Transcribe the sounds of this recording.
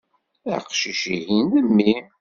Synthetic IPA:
æ̰qʃiʃihinðəmːim

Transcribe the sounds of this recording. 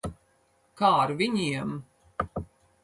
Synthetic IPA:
kaːɾvʲiɲiɛm

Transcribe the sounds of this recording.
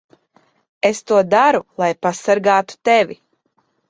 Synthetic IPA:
est̪uɔd̪aɾulˠajpasaɾɡaːt̪u̥t̪evʲi

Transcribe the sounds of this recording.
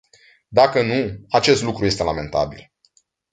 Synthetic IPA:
d̪akənuat͡ʃe̞st̪lukɾuje̞st̪e̞lame̞nt̪a̰bḭl

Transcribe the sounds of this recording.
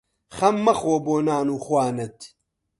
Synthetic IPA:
χɐmːɐxoboːnaːnuːxwaːnɐt̪ʰ

